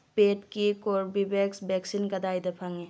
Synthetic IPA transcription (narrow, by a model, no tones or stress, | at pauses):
peːʈkikoːɾbibeksbɛːksinkɐd̪aːjd̪ɐpʰɐŋe